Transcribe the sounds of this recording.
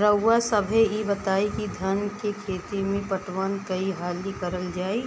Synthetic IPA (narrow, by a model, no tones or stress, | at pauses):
ɾəwːasəbʱeibɐt̪aːikid̪ʱɐnkekʰeːt̪imẽpɐʈʋaːnkɐiɦaːlikɐɾəld͡ʒaːi